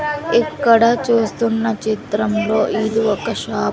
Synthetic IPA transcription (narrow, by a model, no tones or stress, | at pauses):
ikːɐɽɐt͡ʃuːst̪unːɐt͡ʃit̪ɾɐmlo̞ːʔiliɔkɐʃaː